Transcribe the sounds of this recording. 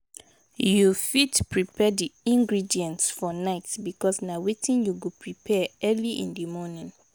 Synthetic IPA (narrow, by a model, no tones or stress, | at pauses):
jufitpʰɹipʰɛdiĩŋɡɹidiɛ̃ntsfɔnaɪtbikʰɔsnawetʰĩnjuɡupʰɹipʰɛɛliʔḭ̃ndimɔnĩn